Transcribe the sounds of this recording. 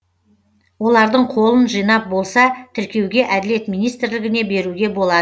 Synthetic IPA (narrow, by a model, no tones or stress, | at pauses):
wo̞lˠɑɾd̪əɴqʰo̞lˠənʒijnɑp̚bo̞lˠsɑt̪ʰɪɾkʲe̞wɡʲe̞ʔæd̪ɪle̞t̪mijnijst̪ɪɾlɪɡʲɪne̞be̞ɾuɡʲe̞bo̞lˠɑd̪ə